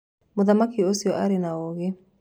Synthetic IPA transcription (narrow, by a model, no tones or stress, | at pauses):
mʊðamakiosiɔʔaɾinaoɣe